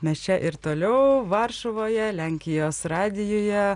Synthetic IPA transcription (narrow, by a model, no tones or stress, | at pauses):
mʲɛst͡ʃʲɛʔɪɾt̪oːlʲɛʊʋɑɾʃoʋoːjɛlʲæŋʲkʲɪjoːsɾɑːd̪ʲɪjːjɛ